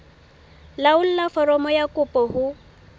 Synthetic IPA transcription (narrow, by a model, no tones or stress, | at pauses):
laʊl̩lafɔɾɔmɔjakʼʊpʼɔhʊ